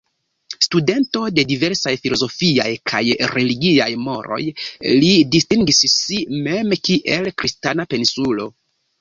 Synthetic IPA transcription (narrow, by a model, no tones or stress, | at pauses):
stude̞nto̞de̞dive̞ɾsajfilo̞zo̞fiajkʰa̰jɾe̞liɡiajmo̞ɾo̞̰jlidistiŋɡisːime̞mkiʔe̞lkɾistanape̞nisulo̞̰